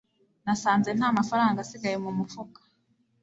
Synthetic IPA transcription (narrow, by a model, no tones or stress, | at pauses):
nasaːnze̞n̥haːmafaɾaːŋɡasiɡajemumufukḁ